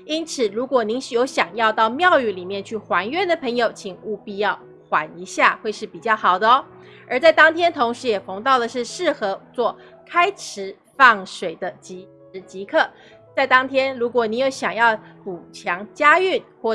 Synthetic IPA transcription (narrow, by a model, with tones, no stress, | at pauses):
i˥nt͡sʰɹ̩˨˩ɻu˧˥kwɔ˨˩ni˧˥ŋ˨jo˧˥ʊɕjɑ˨˩ŋjɑ˥˧ʊt̪ɑ˥˧ʊmjɑ˥˧ʊy˥˩li˨˩mjɛ˥˧nt͡ɕʰy˥˩xwa˧˥nɥɛ˥˩nd̪ə˩pʰɤ˧˥ŋjo˧˩ʊt͡ɕʰi˨˩ŋu˥˧pi˥˧jɑ˥˩ʊ | xwa̰˧˥ni˧˥ɕja̰˥˧xwe˥˧ɪʂɻ̩˥˩pi˨˩t͡ɕjɑ˥˩ʊxɑ˨˩ʊd̪ə˦ | ə˞˧˥t͡sa˥˩ɪt̪ɑ˥ŋt̪ʰjɛ˥nt̪ʰʊ˧˥ŋʂɻ̩˧˥jɛ˨˩fo˧˥ŋt̪ɑ˥˩ʊd̪ə˩ʂɻ̩˥˧ʂɻ̩˥˩xɤ˧˥t͡swɔ˥˩ | kʰa˥ɪʈ͡ʂʰɻ̩˧˥ | fɑ˥˩ŋʂwe˨˩ɪd̪ə˦t͡ɕi˧˥˧ | t͡ɕi˧˥kʰɤ˥˩ | t͡sa˥˩ɪt̪ɑ˥ŋt̪ʰjɛ˥nɻu˧˥kwɔ˨˩ni˧˥njo˧˥ʊɕjɑ˨˩ŋjɑ˥˩ʊpu˨˩t͡ɕʰjɑ˧˥ŋt͡ɕja˥y˥˩nxwɔ˥˩